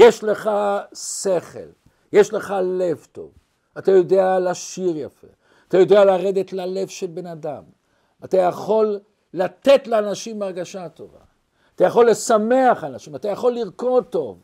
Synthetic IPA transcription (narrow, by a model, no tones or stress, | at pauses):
jeʃle̞χase̞χḛl | jeʃle̞χale̞vt̪o̞̰v | at̪ajo̞de̞alaʃiʁjafḛ | at̪ajo̞d̪e̞alaʁe̞d̪et̪lale̞vʃelbenadam | at̪ajaχo̞lː | at̪e̞t̪leanaʃimaʁɡaʃat̪o̞̰va̰ː | t̪ajaχo̞lːe̞same̞aχanaʃimat̪ajaχo̞lːiʁko̞d̚t̪o̞v